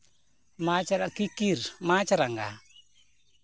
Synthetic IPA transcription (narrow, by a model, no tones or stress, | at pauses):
mat͡ʃaɾakikiɾmat͡ʃaɾaŋɡa